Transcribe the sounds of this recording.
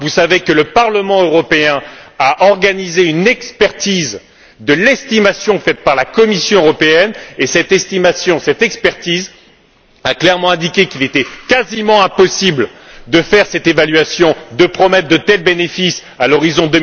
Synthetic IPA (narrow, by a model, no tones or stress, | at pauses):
vusavekələpaʁləmɑ̃øʁɔpeɛ̃aʔɔʁɡanizeynɛkspɛʁt̪iz | d̪əlɛst̪imasjɔ̃fɛt̪̚paʁlakɔmisjɔ̃øʁɔpeɛnesɛt̪ɛst̪imasjɔ̃sɛt̪ɛkspɛʁt̪iz | aklɛʁmɑ̃ɛ̃d̪ikʲekilet̪ɛkazimɑ̃ɛ̃pɔsibld̪əfɛʁsɛt̪evalɥasjɔ̃d̪əpχɔmɛt̪χd̪ət̪ɛlbenefis | alɔʁizɔ̃d̪ə